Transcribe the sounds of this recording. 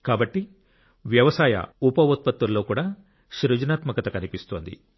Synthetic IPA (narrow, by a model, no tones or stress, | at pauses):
kaːbɐʈːi | ʋjɐʋɐsaːjɐ̰upɐʋot̪̚pɐt̪ʋɐlːo̞ːkuːɽaː | ʃɾud͡ʒɐnaːt̪mɐkɐt̪ɐkɐnipist̪oːnd̪ḭ